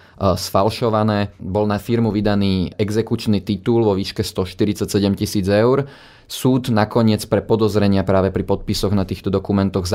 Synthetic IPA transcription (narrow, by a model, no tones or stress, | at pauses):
sfalʃɔʋanɛːbɔlnafiɾmuʋid̪aniːɛɡzɛkut͡ʃnit̪it̪uːlʋɔʋiːʃkɛst̪ɔʃt̪iɾit͡sacsɛɟɛmcisiːd͡zɛʊɾ | suːd̪nakɔɲɪɛt͡spɾɛpɔd̪ɔzɾɛɲɪapɾaːʋɛpɾipɔt̪̚pisɔɣnat̪iːxt̪ɔd̪ɔkumɛnt̪ɔɣz